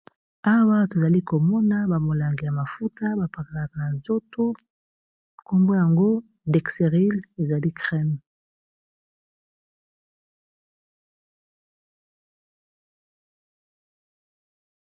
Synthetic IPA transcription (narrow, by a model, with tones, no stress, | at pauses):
a˦wa˦to˨za˨li˦ko˨mɔ˦na˦ba˨mo˨la˨ŋɡi˨ja˨ma˨fu˦ta˦ba˨pa˨ka˨la˨ka˨na˨nzo˦to˦ | ko˦mbo˦ja˨ŋɡo˦ | de˨kse˨ʁi˦le˨za˨li˦kʁɛ˦m